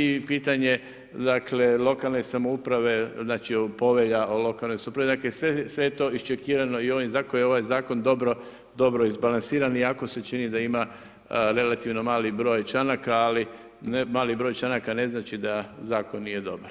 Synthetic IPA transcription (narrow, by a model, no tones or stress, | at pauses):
ipiːt̪aɲe̞ | d̪akle̞lˠo̞kalˠne̞samoupɾaʋe̞znaːt͡ʃiopo̞ʋeʎaʔolo̞kalno̞jsamupɾaʋed̪aklesʋesʋe̞jet̪o̞iʃt͡ʃekiːɾano̞io̞ʋimzakojeo̞ʋajzaːko̞nd̪o̞bɾo̞ | d̪o̞bɾo̞izbalˠansiːɾaniako̞se̞t͡ʃinid̪aima | ɾe̞lat̪iʋno̞maːlibɾo̞ːjt͡ʃanakaːli | nemaːlibɾoːjt͡ʃanakane̞znaːt͡ʃid̪azaːkonːije̞d̪o̞baɾ